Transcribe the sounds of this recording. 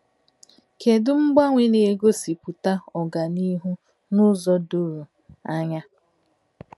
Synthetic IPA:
ke˨dʊ˦ŋ͡m̩˦ɡ͡ba˦ŋʷe˦ne˨e˨ɡo˦si˨pu˨ta˦ɔ˨ɡa˨ni˦ɦu˦ | nʊ˦zɔ˦dʊ˦ɾu˨ | a˦ɲa˦

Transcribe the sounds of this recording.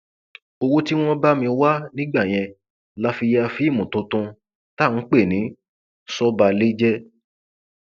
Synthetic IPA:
o˧wo˦ti˦w̃ɔ̃˦ba˦mĩ˧wa˦nĩ˦ɡ͡ba˦˨j̃ɛ̃˧ | la˨˦fi˧ja˦˧fi˦˨mũ˨tũ˧˦tũ˧ | ta˦˨n̩˨˦k͡pe˦˨nĩ˨˦ | sɔ˦ba˧le˦d͡ʒɛ˦

